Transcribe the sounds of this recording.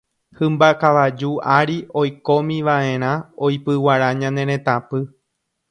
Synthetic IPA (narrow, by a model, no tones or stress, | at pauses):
hɨ̃mbakaʋad͡ʒuaɾio̞jko̞mĩʋaʔẽ̞ɾ̃ãojpɨwaɾaɲãnẽ̞ɾ̃ẽ̞t̪ãpɨ